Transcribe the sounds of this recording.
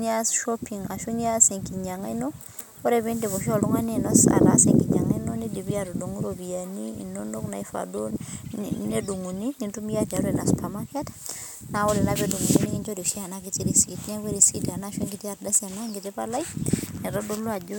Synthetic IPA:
ɲa˦sʃopi˨ŋa˨ʃu˦ɲa˦se˨ŋkiɲa˨ŋa˦jno˦ | o˦ɾeβi˦nde˨βo˨ʃɔlu˦ŋa˦nenɔ˦sa̰˨ɾa̰seŋki˨ɲa˨ŋa˦jno˦ni˦di˨bi˦aɾodu˨ŋu˦ɾobi˨a˨nḭː˦˨nono˦kna̰˨i˦fa̰˨do | ne˦du˨ŋu˨ni˦ŋi˨ntumi˦ati˨a˨ɾena˨spamakɛt | nawo˦lɛ˨nabedu˨ŋu˨ni˦ni˦ŋind͡ʒo˦di˨ʃi˦a˨naki˨tiɾisi˨tnɛ˦we˦ɾisi˦da˨naʃe˦ŋɡi˨ti˦a˨ɾda˦sia˨na˦ŋɡi˨te˦pala˦jnɛ˨ɾɔdo˦lwa˨d͡ʒu˦

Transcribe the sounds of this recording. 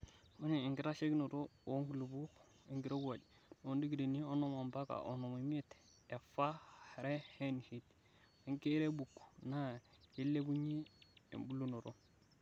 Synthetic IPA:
u˦ne˨i˨ŋɡi˦ɾa˦ʃe˦kno˨ɾo˦˨o˦ŋɡu˨lu˨bu˦k | i˨ŋɡi˦ɾo˦ɡu˦wa˨d͡ʒ | n˨o˦ndi˦ɡi˨ɾe˨ni˦o˦no˦˨ma˨mba˦ka̰˨ʔo˨no˨mi˨mi˦t̪ | e˨fa˦˨ɾe˦he˦n˨hi˦t | i˨ŋke˦ɾe˦bu˨kna˦je˦lːe˦bu˦ɲi˦ḛ˨mbu˦lu˦no˨ɾo˦

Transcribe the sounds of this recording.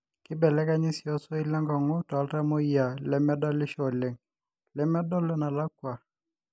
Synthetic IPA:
kɪ˦bɛ˨lɛ˦ka˦ɲi˦si˨ɔ˦sɔ˦i˦lɛ˦ŋɡɔ˨ŋɔ˦tɔ˨a˦lta˦mo˦i˦a˨lɛ˦mɛ˦da˦lɪ˦ʃɔ˨le˨ŋ | lɛ˦mɛ˦dɔ˦lɛ˦na˨la˦kwa˨

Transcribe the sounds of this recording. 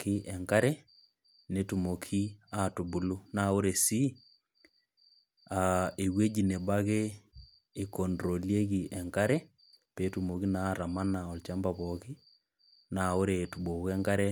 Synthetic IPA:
ki˦ʔɛ˨ŋka˦ɾɛ˦ | ne˦tu˨mo˨kʰi˦a˦tu˨bu˦lu˦na˦o˦ɾe˨si˦ | a˨e˨ɣwe˦d͡ʒi˨ne˨ba˦ɣeː˦˨ | ko˨ndɾo˨lie˦ɣi˨ʔɛ˨ŋka˦ɾɛ˦ | pe˨tu˨mo˨ki˦naɾa˨ma˦na˨ɔ˨lt͡ʃa˦mba˨βɔki˦ | na˨o˦ɾe˨tu˨bo˨ɣɛ˦ŋka˦ɾɛ˦

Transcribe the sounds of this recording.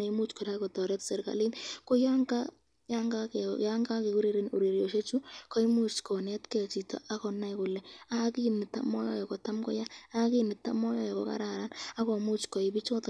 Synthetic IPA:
e˨i˦mu˦t͡ʃkʊ˨ɾa˦kɔ˨tɔ˨ɾɛ˦tse˨ɾka̰˨li˦nkɔ˦ja˦ŋka˦ | ja˦ŋɡa˦ja˦ŋɡa˦ke˨ku˦ɾe˦ɾe˦nu˨ɾi˨ɾjo˨ʃe˦t͡ʃu˦kɔ˦i˦mu˦t͡ʃkɔ˨nɛ˦tkɛ˨t͡ʃi˨tɔ̰˨ʔa˦kɔ˨na˦jkʊ˨lɛ˨a˦ki˦nɪ˨tːa̰˨mɔ˦jɔ̰˦jɛ˨kɔ˨ta˦mkɔ̰˦ja˦a˦ki˦nɪ˨tːa̰˦mɔ˦jɔ˦jɛ˨kɔ̰˨ka̰˦ɾa˨ɾa˦na˦kɔ˨mu˦t͡ʃkɔ˨ɪ˨bi˦t͡ʃkɔ˦t

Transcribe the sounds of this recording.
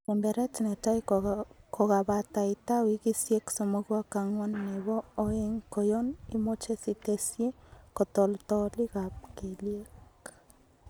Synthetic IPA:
ke˨mbɛ˨ɾɛ˦tne˨ta˦iko˨ka˨ba˨ta˨ita˦wi˦ki˦sje˦kso˨mo˦kwa˦kaŋwɔ˦nːe˨βɔː˦e˦ŋko˨jo˦ni˦mo˦t͡ʃe˦si˦te˦sje˦ko˨tɔ˨ltɔli˦ka˨p̚ke˨lje˦k

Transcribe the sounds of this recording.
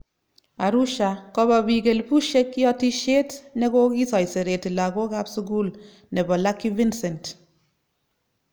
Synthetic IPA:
a˨ɾu˦ʃa˨kɔ˦bɔ˨bi˨ke˨lpu˦ʃe˦kjɔ˦ti˦ʃe˦tne˦ko˦ki˦sɔ˨jse˨ɾe˨ti˨la˨ko˦ka˦psuɡu˦l | ne˨bɔ˨la˦kːi˦vi˦nse˨nt

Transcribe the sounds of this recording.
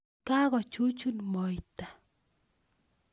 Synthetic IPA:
ka˦ɣɔ˨t͡ʃu˦t͡ʃu˦nmɔ˨jta˨

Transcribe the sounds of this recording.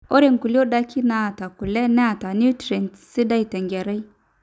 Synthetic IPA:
o˦ɾe˨ŋku˨li˦o˦da˦ki˦na˦a˨ta˨ku˨le˦na˦a˨ta˨nu˦tɾe˨n˨si˦da˦i˨ta˨ŋɡʲe˨ɾa˦i˦

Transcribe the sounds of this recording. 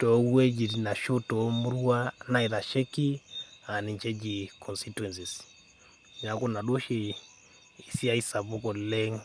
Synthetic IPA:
tɔ˨˦wwɛ˦d͡ʒi˨ɾi˨na˨ʃu˦tɔ˨mu˦ɾu˦a˦na˦˨i˨ða˨ʃɛ˦ki˦a˨ni˨ɲt͡ʃɛ˦d͡ʒi˨kɔ˨nsitwɛ˨nsi˨s | ɲa˨ku˦na˨ɗɔ˦ʃɛ˦ | i˨si˦a˦i˦sa˨βɔ˦kɔ˨lɛ˦ŋ

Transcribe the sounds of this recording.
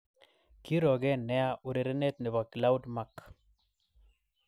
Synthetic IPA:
ki˦ɾɔ˨ɡɛ˦nɛ˦a˦ʔʊ˨ɾe˨ɾe˦ne˦t̪̚nɛ˨wa˨kla˦u˦dma˦k

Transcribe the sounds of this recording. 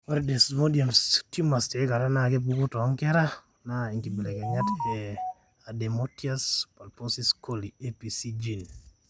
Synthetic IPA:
ɔ˦ɾde˨smo˦dia˨mstu˦ma˨ste˨˦ka˨ɾa˦na˨ɡe˦bu˦ɡu˦tɔ˨˦ŋkɛ˦ɾa˦ | na˦i˨ŋɡi˨bi˨lɛ˨kɛ˨ɲa˦tɛ˨ | a˨de˨motia˦spa˨lpo˦si˦sko˦lie˦pi˨si˦d͡ʒi˨n

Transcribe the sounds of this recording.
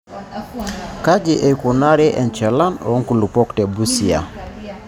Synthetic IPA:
ka˦d͡ʒi˨ʔɛ˨ku˨na˦ɾɛ˦ʔɛ˨nt͡ʃɛ˨la˦nɔ̰˨˦ŋ˦ku˨lu˨pɔ˦ktɛ˨bu˦si˨a̰˨

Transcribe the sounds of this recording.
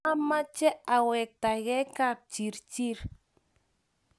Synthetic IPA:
a˦ma˦t͡ʃɛ˦a˨wɛ˨k̚t̪a˨ɣɛ˦ka˨rt͡ʃi˨ɾt͡ʃi˦˨ɾ

